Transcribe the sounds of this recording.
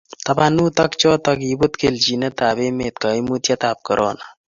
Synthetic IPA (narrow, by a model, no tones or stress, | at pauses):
t̪ɐbanut̪ɐkt͡ʃɔt̪ɐkibut̪keld͡ʒinət̪aːbemeːt̪̚kəimut̪jat̪aːp̚kəɾʔɔ̰ːna